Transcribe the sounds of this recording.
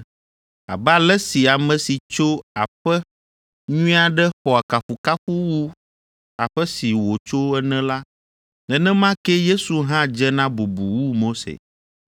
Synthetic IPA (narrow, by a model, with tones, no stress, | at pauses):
a̰˨ba˦lɛ˦si˨a˨mɛ̃˨si˨t͡ʃo˦a˨ɸɛ˦ | ɲũ˦a˨ɖɛ˦xɔ˨a˨ka˨ɸu˨ka˦ɸu˦wu˦ | a˨ɸɛ˦si˨wo˨t͡ʃo˦ɛ˦nɛ̃˦la˦ | ɛ˨nɛ̃˦mã˦kɛ˦je˦su˨ɦã˦d͡ʒɛ˦nã˦bu˨bu˨wu˦mo˦sḛ˨